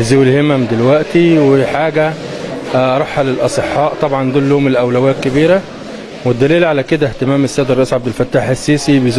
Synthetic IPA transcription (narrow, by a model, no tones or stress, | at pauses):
zewelhemæmd̪elwæʔt̪iweħaːɡæ | ɾˤɑħːɑlelʔɑsˤeħːɑːʔt̪ˤɑbʕɑnd̪uːlːoːmelʔæwlæwæːt̪̚kebiːɾæ | wed̪ːæliːlʕalæked̪æht̪emæːmesːæːd̪ɾˤɑʔiːsʕab̚d̪elfæt̪ːaːħʔæsːiːsibez